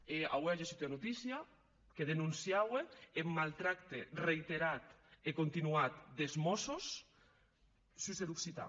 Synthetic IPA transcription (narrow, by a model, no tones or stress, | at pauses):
ea̰weaʒasit̪anut̪isja | keðenũnsjaweemːalt̪ɾakt̪erejt̪eɾat̪ekont̪inuat̪̚d̪ezmɔsos | syzed̪uksit̪a̰